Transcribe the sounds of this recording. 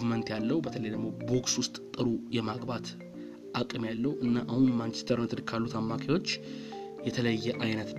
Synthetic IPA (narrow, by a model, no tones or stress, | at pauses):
mənt̪jalːəhubət̪ʰələjd̪əɡmobo̞kswʊst̪ʼt̪ʼːɨɾujɛmaɡbat̪ | ʔakʼɨmjalːəhuʔɨnːaʔahunmant͡ʃʰɛst̪ʰəɾnt̪ʰɨɾkʰalːut̪amːakʰejwo̞t͡ʃː | jɛt̪ʰələjːɛʔajnət̪